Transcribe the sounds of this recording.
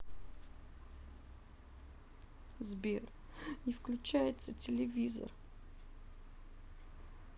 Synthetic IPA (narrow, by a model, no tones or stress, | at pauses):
zbʲer | nʲɪfklʲʉt͡ɕæjɪt̪sətʲɪlʲɪvʲizə̰r